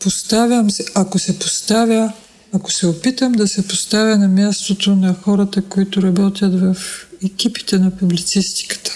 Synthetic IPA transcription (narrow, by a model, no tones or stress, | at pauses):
post̪avʲɐmsɛakosɛpost̪avʲjəː | ko̥sɛopit̪əmd̪ɐsɛpost̪avʲjɐnɐmʲjast̪ot̪onɐxɔɾɐt̪əkoit̪ʊɾɐbɔt̪ʲjət̪vɐfɛkʲipi̥t̪ɛnɐpublit̪sist̪i̥kə̥t̪ə̥